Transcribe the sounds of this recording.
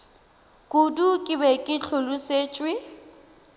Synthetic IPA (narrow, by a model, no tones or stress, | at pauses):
kʼudukʼɪbɛkʼɪt͡ɬʰʊlʊseːt͡ʃʼwɪ